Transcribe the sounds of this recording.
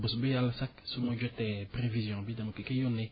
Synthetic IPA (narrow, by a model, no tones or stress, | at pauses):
bosubejalasaksumɔ̃d͡ʒɔtɛpɾevizjɔ̃bidãmõkekɛjõne